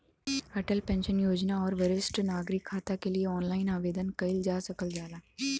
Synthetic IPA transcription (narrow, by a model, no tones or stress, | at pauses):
ɐʈəlpɛ̃ːnʃənjoːd͡ʒnaɔːɾʋɐɾɪsʈnaːɡɾɪkʰːaːt̪akelieɔːnlaːɪnaːʋeːd̪ənkɐɪld͡ʒaːsɐkəld͡ʒaːlaː